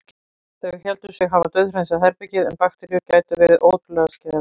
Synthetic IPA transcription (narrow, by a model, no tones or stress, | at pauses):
θɛɣçɛlt̪ʏsjɛɣɦavat̪œðɾɛjnsaðɦɛɾpɛcɪðɛnpaxt̪ɛɾjʏcaːjt̪ʏvɛːɾɪðʔoːwt̪lɛɣascɛːa